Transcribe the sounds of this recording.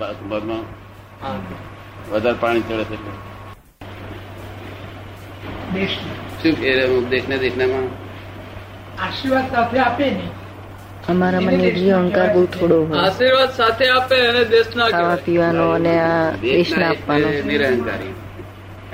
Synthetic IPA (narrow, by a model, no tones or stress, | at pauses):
abəd̪mã | a | ʋəd̪ʱaɾpaɽ̃it͡ʃʰəɭet͡ʃʰele | d̪eʃneʃubeɾd̪ekʰned̪ekʰnemã | aʃiɾʋad̪sat̪ʰeapene | əmaɾaməniɾʱiəŋkaɾɡot̪ʰoɽoɦoaʃiɾʋad̪sat̪ʰeapeəned̪eʃnakaʋapiʋanoənead̪eʃnaapʋanoniɾaɦənkaɾi